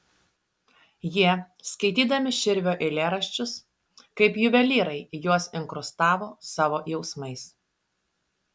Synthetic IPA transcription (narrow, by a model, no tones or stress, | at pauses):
jiɛ | skɐɪt̪ʲiːd̪ɐmʲɪʃʲɪɾʲʋʲoːʔɪlʲeːɾɐʃʲt͡ʃʲʊs | kɐɪpjʊʋʲɛlʲiːɾɐɪjuɔsɪŋkɾʊst̪ɑːʋoːsɑːʋoːjɛʊsmɐɪs